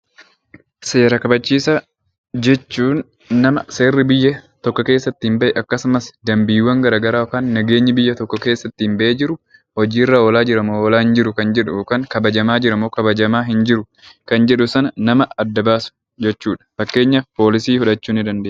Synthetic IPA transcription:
se̞ːɾɐkɐbɐt͡ʃːiːsɐ | d͡ʒɛt͡ʃːuːnː | ɐmɐseːrːɪbɪjːɐt̪ɔkːɔke̞ːsːɐt̪ːɪhɪmbɐʔɛʔɐkːɐsʊmɐsd̪ɐmbiːwːɐŋɡɐɾaːɡɐɾaːɔkaːnːɐɡe̞ːɲːɪbɪjːɐt̪ɔkːɔke̞ːsːɐt̪ːɪɪmbɐʔeːd͡ʒɪɾʊ | hɔd͡ʒiːɪrːaːoːlaːd͡ʒɪɾɐmooːlaːhɪnd͡ʒɪɾʊkɐnd͡ʒɛᶑʊkɐŋkɐbɐd͡ʒɐmaːd͡ʒɪɾɐmoːkɐbɐd͡ʒɐmaːɦɪnd͡ʒɪɾʊ | kɐnd͡ʒɛᶑʊsɐnɐnɐmɐɐd̪ːɐbaːsʊ̥ | d͡ʒɛt͡ʃːuːᶑɐ̥fɐkːe̞ːɲːɐfpo̞ːlɪsiːhʊᶑɐt͡ʃːuːnɪd̪ɐnd̪eːʔ

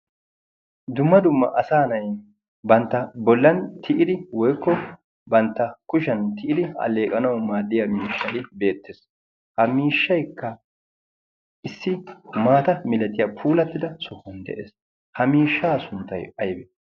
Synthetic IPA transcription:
d̪ʊmːɐd̪ʊmːɐʔɐsaːnɐj | bɐnt̪ːɐbɔlːɐnt̪ʰɪʔɪd̪ɪwɔjkːɔ | bɐnt̪ːɐkʊʃɐnt̪ʰɪʔɪd̪ɪɐ̰le̞ːkʼɐnɐwmaːd̪ːɪjamiːʃːɐlɪbe̞ːt̪ːes | hɐmiːʃːɐjkːɐ | ʔɪsːɪmaːt̪ɐmɪlɛt̪ʼːɪjɐpʰuːlɐt̪ːɪd̪ɐsʊhːɔnd̪ɛ̰ʔḛːs | hɐmiːʃːaːsʊnt̪ːɐjɐjbɛ

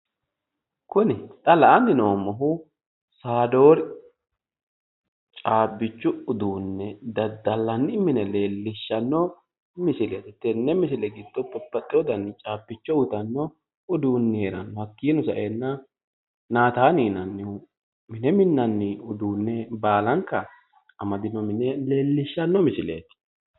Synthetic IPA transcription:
kʊnɪt̪ʼɐlɐʔɐnːɪnoːmɔɦʊ | saːd̪o̞ːɾ | t͡ʃʼaːbːɪt͡ʃːʊʊd̪uːnːɛd̪ɐd̪ːɐlːɐnːɪmɪnɛle̞ːlːɪʃːɐnːɔ | mɪsɪlɛt̪ɛt̪ːɛnːɛmɪs̬ɪlɛɡɪd̪ːɔpːɐpːɐt̪ʼːɪɔd̪ɐnːɪt͡ʃʼaːbːɪt͡ʃːɔwʊt̪ɐnːɔ | ʊd̪uːnːɪheːɾɐnːɔhɐkːiːnɔsɐ̰ʔeːnːɐ | naːt̪aːniːnɐnːɪ | mɪnɛmɪnːɐnːɪʊd̪uːnːɛbaːlɐŋkːɐ | ɐmɐd̪ɪnɔmɪnɛleːlːɪʃːɐnːɔmɪsɪlḛːt̪

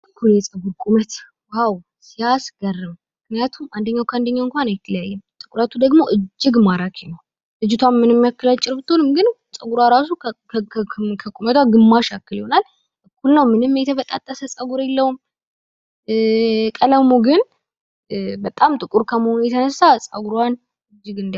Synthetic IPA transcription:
ʔɨkʰːuljɛsʼəɡuɾkʼumət̪ | waw | sijasɡərːɨmːmɨknijat̪ʰumand̪əɲːawkʰand̪əɲːawɨŋkʷanjɛt̪ʰələjajːɛmt̪ʼɨkʼuɾat̪ʰud̪əɡmo̞ʔɨd͡ʒːɪɡmaɾakʰenəw | ɨd͡ʒɪt̪ʰanmɨnɨmːijakːəlat͡ʃʼːɪɾbɨt̪ʰːo̞nɨmɡɨnsʼəɡuɾwaɾasu | kʰəkʼumət̪ʰwaɡɨmːaʃakːɨliho̞nal | ʔɨkːulnəwmɨnɨmːjɛt̪ʰəβət̪ʼa̰t̪ʼːəsəsʼəɡuɾelːəwum | kʼələmuɡɨn | bət̪ʼamt̪ʼɨkʼuɾkʰəməhonujɛt̪ʰənəsːasʼə̰ɡuɾwan | ɨd͡ʒːɨɡɨnd̪

